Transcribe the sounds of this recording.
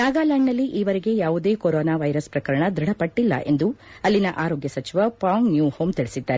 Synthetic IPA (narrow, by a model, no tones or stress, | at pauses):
naːɡaːlaːŋnɐlːiʔiːʋɐɾeɡe̞jaːʋud̪e̞ːkoɾoːnaːʋɐjɾɐspɾɐkɐɾɐɳɐd̪ɾɐɽɐpɐʈːilːɐ̰ʔe̞̰nd̪u | ɐlːinɐʔaːɾoːɡjɐsɐt͡ʃiʋɐpaːŋnjuːhoːmt̪iɭisid̪ːaːɾe